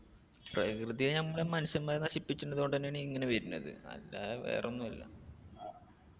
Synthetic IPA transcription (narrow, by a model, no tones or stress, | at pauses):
prɐkrɨðijɐnɐmːɐɭemɐnɐɕɐmaːjenɐɕipːit͡ɕːunːɐðuoɳɖɨðɐnːeːɳiŋːɐneʋɐɾunːɐ̰ðɨ̰ɐ̰lːaːeʋe̞̰ːrʔonːumɐlːɐ̰